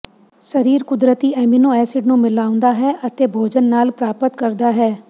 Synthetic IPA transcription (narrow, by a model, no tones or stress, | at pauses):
səɾiːɾkʊd̪ɾət̪iːɛːmiːnũːɛːsɪɖnũːmɪlaːʊ̃nd̪aːɦɛːʔət̪eːbʱoːd͡ʒənːaːlpɾaːpət̪kəɾd̪aːɦɛː